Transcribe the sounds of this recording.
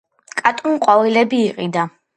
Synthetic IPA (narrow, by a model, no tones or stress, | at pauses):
kʼat̪ʼɔnqʼwavilɛbiːqʼid̪a